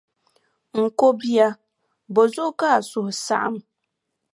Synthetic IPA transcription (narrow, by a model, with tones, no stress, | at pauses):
ŋ̩˨ko˦bi˦a˦ | bo˨zʊ˦ka˦˨sʊ˨hʊ˨sa̰˦ʔa̰˨m